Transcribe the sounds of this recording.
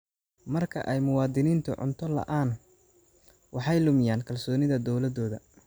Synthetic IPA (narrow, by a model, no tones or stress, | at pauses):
mɐrkʰɐ̰ʔɛjmʊwɑːd̪ɪniːnt̪ʰʊ̰ʕʊ̰nt̪ʰɔlɐ̰ʔaːn | wɑħɑjlʊmɪjaːnkʰɐlsɔːnɪðɐd̪ɔwlɐd̪ɔːðɐ̰